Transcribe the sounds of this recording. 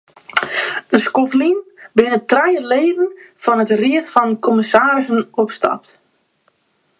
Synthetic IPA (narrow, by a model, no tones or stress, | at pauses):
ənskoflinbɪnətrɛjəleːdən̩fɔnətriətfɔnkoməsaːɾɪsənɔpstɑ̰p̚t